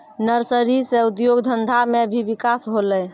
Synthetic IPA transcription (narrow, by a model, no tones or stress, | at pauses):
nəɾsəɾiseud̪joɡd̪ʱənd̪ʱamebʱibikasɦolɛ